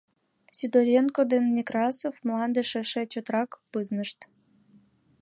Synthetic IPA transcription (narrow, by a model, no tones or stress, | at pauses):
sʲid̪oɾʲenkod̪enːʲikrɑsofmlˠɑnd̪eʃeʃĕt͡ɕot̪ɾɑkpɨznəʃt̪